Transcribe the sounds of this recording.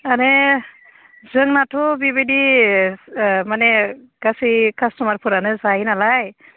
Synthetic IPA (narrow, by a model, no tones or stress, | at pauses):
ane | zɯŋnatʰɔbibedi | mane | ɡ̥asikʰastɔmaɾpʰuɾanɯzajnalaj